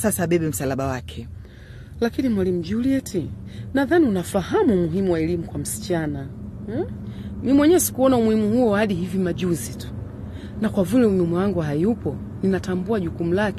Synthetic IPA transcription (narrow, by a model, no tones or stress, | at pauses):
sasaːɓɛɓɛm̩salaɓawakʰɛ | lakinimwalim̩uʄuliɛtʰi | naðaniunafulaɦamumuɦimuwaɛlimukwam̩si̥t͡ʃana | mimwɛɲɛsi̥kuɔnaumuhimuhuɔhaɗiɦivimaʄuzitu̥ | nakwavilɛumimujaŋɡuɦajupɔ | ninatambuaʄukum̩lakɛ